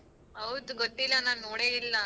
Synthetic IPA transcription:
ɦɐwd̪uɡot̪ːilːɐnaːnnoːɽeːilːɐ

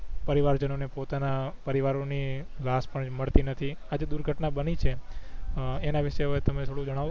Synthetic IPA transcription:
pəɾiʋaɾd͡ʒənonepot̪anapəɾiʋaɾoni | laspəɳməɭt̪inət̪ʰi | ad͡ʒed̪uɾɡʱəʈnabənit͡ʃʰe | enaʋɪʃeɦəʋet̪əmet̪ʰoɽũd͡ʒəɽ̃a

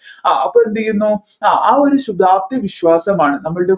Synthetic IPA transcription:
aɐpːɐend̪ijunːuː | aːoɾuɕud̪ʱaːp̚t̪ɐʋiɕʋaːsɐmaːɳɨnɐmːɐɭɨɽe

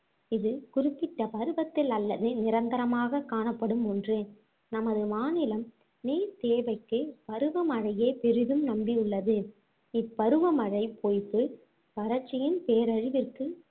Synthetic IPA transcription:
ɪðɯkʊrɪpːɪʈːɐpɐɾɯʋɐt̪ːɪlɐlːɐðɯnɪɾɐnd̪ɐɾɐmaːɣɐkːaːnɐpːɐɽɯmɔndrɯ | nɐmɐðɯmaːnɪlɐm | neːɾt̪eːʋɐɪkːɯpɐɾɯʋɐmɐɻɐjeːpɛɾɪɣɯmnɐmbiʊɭːɐðɯ | ɪpːɐɾɯʋɐmɐɻɐɪpʰoːjp̪ːɯ | ʋɐɾɐt͡ʃːɪjɪnpeːɾɐɻɪʋɪrkɯ

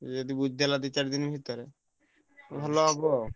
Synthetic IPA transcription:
d͡ʒed̪ibud͡ʒd̪ʱelad̪it͡ʃaɾd̪inbʱit̪ːɔɾe | bʱaloɦabo

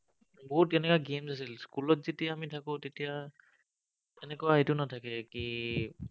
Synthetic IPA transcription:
boɦutɛnɛkaɡemsas̬ilskulɔtz̥etijaːmitʰakʊ̃tetija | ɛnɛkɔaetʊnatʰakɛki

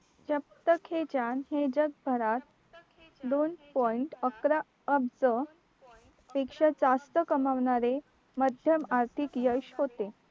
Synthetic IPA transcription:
d͡ʑəp̚t̪əkʰed͡ʑanɦed͡ʑəɡ̚bʱəɾat̪̚ | d̪onpɔjiɳʈəkɾa | əbd͡zə | pekʂəd͡zast̪əkəmaʋɳaɾe | məd̪ʱjəmaɾt̪ʰikjəɕɦot̪e

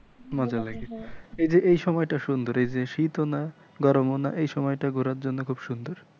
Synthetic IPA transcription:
mad͡ʑalaɡeejd͡ʑeʔejʃɔmɔjʈaʃund̪oɾejd͡ʑeʃit̪ona | ɡɔɾmonaʔejʃɔmɔjʈaɡʱuɾaɾd͡ʑonːokʰubʃund̪oɾ

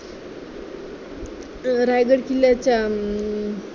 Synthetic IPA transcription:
ɾajɡəɽkilat͡ɕa

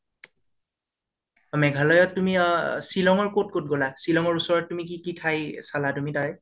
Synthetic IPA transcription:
mɛɡʱalɔjɔtːumisilɔŋɔɹkot̚kot̚ɡolasilɔŋɔɹusɔɹɔtːumikikitʰajsalatumitaɛ

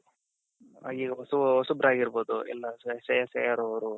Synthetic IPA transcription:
a̰ːɡiːɡɐɔsuɔsubɾaːɡiɾboːd̪uɛ̰lːɐssɛjɐsɛjaɾoʋɐɾu

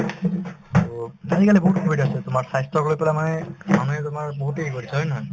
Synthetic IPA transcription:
otatʰikalɛboɦut̚kʰobitasɛtʊmaɹsajstɔklojpɛlamanɛmanuɦɛtʊmaɹboɦutekoɹisaɦɔjnaɦɔj

